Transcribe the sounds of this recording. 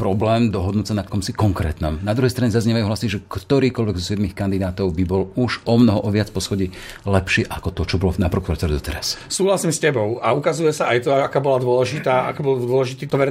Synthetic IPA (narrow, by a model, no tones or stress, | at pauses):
pɾɔblɛːmd̪ɔɦɔd̪nuːsanakɔmsikɔŋkɾɛ̰ːt̪nɔmnad̪ɾuɦɛjst̪ɾaɲɛzazɲɛʋajuɦlasiʒɛkt̪ɔɾiːkɔlʋɛɡzɔsɪɛd̪mixkand̪id̪aːt̪ɔʊbibɔluʒɔmnɔɦɔʔɔʋɪat͡spɔsxɔɟi | lɛpʃɪɛʔakɔt̪ɔt͡ʃɔbɔlɔnapɾɔkuɾat̪ɛɾɛd̪ɔt̪ɛɾassuːɦlasiːmscɛbɔʊaukazujɛsaajt̪ɔakaːbɔlad̪ʊɔlɛʒit̪aːʔa̰kibɔld̪ʊɔlɛʒit̪iːt̪ɔʋɛɾ